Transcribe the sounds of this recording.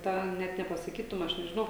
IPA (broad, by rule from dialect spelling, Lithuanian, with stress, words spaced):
ˈtɑː ˈnʲɛt nʲɛpɐsɐˈkʲiːtʊm ˈɐʃ nʲɛʒʲɪˈnɐʊ